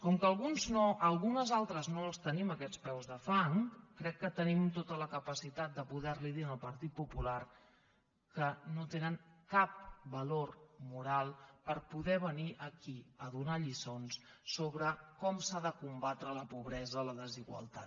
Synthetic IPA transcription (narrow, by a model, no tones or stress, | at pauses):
kɔŋkəːlˠɣunznoʔəlˠɣunəzalˠt̪ɾəznoəlˠst̪əniməkɛt͡spɛwzðəfaŋkɾɛkːət̪ənimt̪ot̪ələkəpəsit̪at̪̚d̪əpuðɛɾliðiənəlˠpəɾt̪it̪̚pupular | kənot̪enəŋkap̚bəlormuɾalˠpəɾpuðɛβ̞əniʔəkiəðunaʎisonsːoβɾəkɔmsaðəkumbat̪ɾələpuβɾɛzələðəziɣwə̰lˠt̪a̰